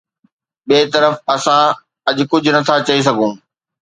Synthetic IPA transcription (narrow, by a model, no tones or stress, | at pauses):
ɓeːt̪ɐɾəfɐsã | ɐʄʊkʊd͡ʑʱʊnɐt̪ʰat͡ɕɐis̬ɐɡʱũː